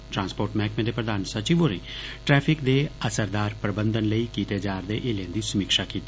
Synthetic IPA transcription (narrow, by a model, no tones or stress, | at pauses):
ʈɾãːnspoːɾʈmɛ̃ːkmẽːd̪eːpɾəd̪aːnsət͡ʃiːʋoːɾẽːʈɾɛːpʰɪkd̪eːəsəɾd̪aːɾpɾəbə̃nd̪ənləiːkiːt̪eːd͡ʒaːɾd̪ḛʔeːlẽːnd̪iːsəmiːkʃaːkiːt̪eː